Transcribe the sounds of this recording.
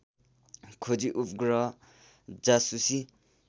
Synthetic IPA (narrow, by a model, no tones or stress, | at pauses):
kʰod͡ʒiʔupʰɡɾɔ | d͡zasusi